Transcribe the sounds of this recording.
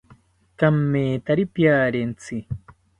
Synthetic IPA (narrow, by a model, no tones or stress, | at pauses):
kamːeːt̪aɾipjaːɾent͡sʰi